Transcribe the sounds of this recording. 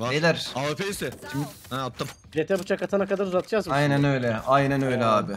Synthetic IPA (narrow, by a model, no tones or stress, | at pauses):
aelʲæɾaːefeisɛt̪ʰimɛat̪ʰːam | d͡ʒet̪ʰɛbut͡ʃʰakat̪ʰanakad̪aɾuzat̪ʰɯd͡ʒazmajnænø̞jlʲɛajnænø̞jlʲɛaːbɪ